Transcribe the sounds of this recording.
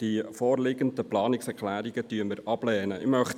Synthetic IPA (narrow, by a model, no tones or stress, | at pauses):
d̥ifoːrlɪɡəndəplɑːnɪksɛɾklæːɾiɡətyənməɾʔɑb̥lɛːnəɪ̰mœχt